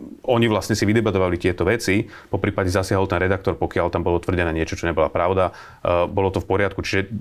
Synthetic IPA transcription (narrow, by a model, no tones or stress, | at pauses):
ɔɲiʋlasɲɛsiʋid̪ɛbat̪ɔʋalit̪ɪɛt̪ɔʋɛt͡si | pɔpɾiːpaɟɛzasɪaɦɔlt̪ɛnɾɛd̪ak̚t̪ɔɾpɔkɪalt̪ambɔlɔt̪ʋr̩ɟɛnɛːɲɪɛt͡ʃɔt͡ʃɔɲɛbɔlapɾaʊd̪a | bɔlɔt̪ɔfpɔɾɪat̪kut͡ʃi̥ʒɛ